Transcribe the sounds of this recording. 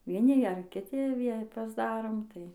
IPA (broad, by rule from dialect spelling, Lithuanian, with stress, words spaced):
ʋʲiɛˈnʲɪ ˈɡʲæːrʲɛm kʲɪˈtʲɪ ˈʋʲiɛ pɐzˈdɑːroːm ˈtɐɪ